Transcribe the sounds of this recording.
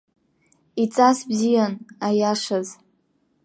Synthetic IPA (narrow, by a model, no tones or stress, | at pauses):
it͡sʼasbzijanajaʂaz